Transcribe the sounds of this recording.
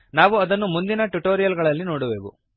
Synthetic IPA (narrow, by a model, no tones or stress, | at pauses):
naːʋuɐd̪ɐnːumund̪inɐʈuʈoːɾijɐlɡɐɭɐlːinoːɽuʋḛːʋṵ